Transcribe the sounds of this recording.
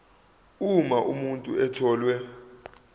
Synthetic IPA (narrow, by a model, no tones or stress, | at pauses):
umaʔumuntʼuɛtʰɔːlwɛ